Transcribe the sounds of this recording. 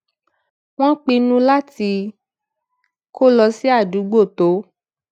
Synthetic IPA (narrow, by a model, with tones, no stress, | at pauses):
w̃ɔ̃˦k͡pĩ˧nũ˦la˦ti˧ | kʰo˦lɔ˧si˦a˦˨du˨˦ɡ͡bo˦˨to˨˦